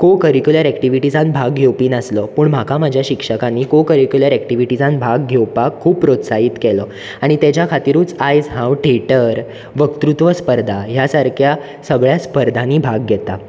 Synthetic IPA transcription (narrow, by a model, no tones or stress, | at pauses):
kokəɾikjuləɾɛkʈiʋiʈid͡zãnbʱaɡːʱewpiːnəsləpuːɳm̤akam̤ad͡ʑʱjaɕikʂəkanːiːkokəɾikjuləɾɛkʈiʋiʈid͡zãnbʱaɡːʱewpaɡ̚kʰːuːppɾot̪saɦiːt̪kɛlə | aɽ̃it̪ɛt͡ɕjakʰat̪iɾũːt͡sajd͡zɦãwʈʰeʈəɾ | ʋəkt̪ɾut̪ʋəspəɾd̪ʱaɦjasaɾkʰja | səɡɭjaspəɾd̪ʱãniːbʱaɡːʱɛt̪a